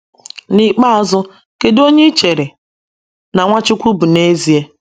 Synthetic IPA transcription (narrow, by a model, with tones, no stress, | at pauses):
ni˦k͡pa˦a˨zʊ˦ | ke˨do˦ɲe˦t͡ʃe˨ɾe˨ | na˨ŋʷa˦t͡ʃɪ˦kʷu˦bu˨ne˦zi˨e˦